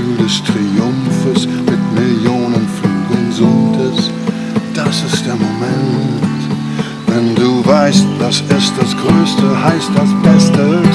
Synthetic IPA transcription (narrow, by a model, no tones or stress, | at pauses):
yːldɛstʁ̥iʊmfəs | mɪtmɪljoːnənfuːɡənzʊntʰəs | d̥asɪstd̥eːɐmomɛntt | vɛnduːvaɪst̚d̥asɛsd̥asɡ̥ʁøːstəhaɪst̚d̥asb̥ɛstə